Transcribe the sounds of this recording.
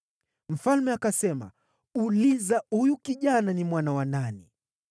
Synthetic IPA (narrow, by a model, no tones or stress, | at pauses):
m̩falmɛakasɛma̰ | ulizahujukiʄananimwanawanani